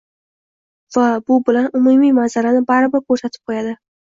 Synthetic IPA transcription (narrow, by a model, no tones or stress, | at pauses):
vabʊbɪlanʊmumijmanzaɾanɪbaɾɪbɪɾkʰɵɾsat̪ʰɪ̥p̚qʰojad̪ɪ